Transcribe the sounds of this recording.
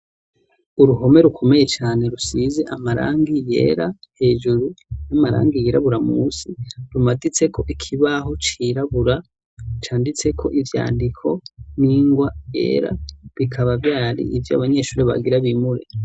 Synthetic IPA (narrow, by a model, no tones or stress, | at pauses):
uɾuɦo̞me̞ɾukʰo̞me̞je̞t͡ʃaːne̞ɾusize̞ʔamaɾa̰ːŋɡije̞̰ːɾahe̞ːʒuɾunamaɾa̰ːŋɡijeɾaβuɾamusiɾumadit͡se̞kʰo̞ʔikʰiβaɦo̞t͡ʃiɾaβuɾa | t͡ʃaːndit͡se̞kʰo̞̰ʔivja̰ːndikʰo̞niːŋɡwaje̞̰ːɾa̰βikʰaβavjaːɾḭʔivja̰βaɲe̞ʃuːɾeβa̰ɡiɾaβimuɾe